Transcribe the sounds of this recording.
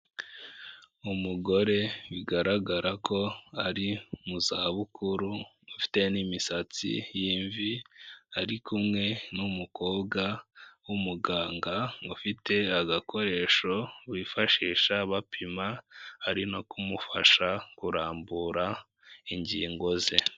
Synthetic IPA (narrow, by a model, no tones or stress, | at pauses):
umuɡo̞ɾe̞wiɡaɾaɡaɾakʰo̞aɾimuzaːβukuɾu | ufi̥te̞nimisat͡sḭjiɱviaɾikumŋe̞numukʰo̞ːbɡawumuɡaːŋɡaufite̞aɡakʰo̞ɾe̞ːʃo̞βifaʃiːʃaβapʰimahaɾino̞kumufa̰ʃakuɾaːmbuɾa | iɲɟiːŋɡo̞ze